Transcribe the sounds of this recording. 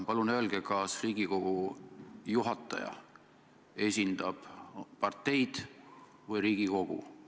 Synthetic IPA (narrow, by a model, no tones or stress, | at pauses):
pɑlunø̞lɡ̥ekɑsriːɡ̥iko̞ɡ̥u | juɦɑt̪ːˑɑ̰jɑ̰ | e̞sʲind̪̥ɑb̥pɑrt̪ːˑe̞jd̪̥ | vɯjɾiːɡ̥iko̞ɡ̥ṵ